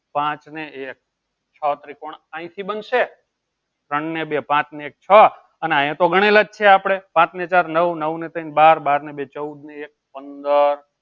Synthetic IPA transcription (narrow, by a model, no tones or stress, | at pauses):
pãt͡ʃneek̚ | t͡ʃʰət̪ɾikoɳãĩt̪ʰibənʃe | t̪ɾəɳnebepãt͡ʃneek̚t͡ʃʰə | əneãj̃ãt̪oɡʱəɽ̃elad͡ʒt͡ʃʰeapɽ̃epãt͡ʃnet͡ʃaɾnəʋnəʋnet̪əinbaɾbaɾnebet͡ʃəud̪neek̚pənd̪əɾ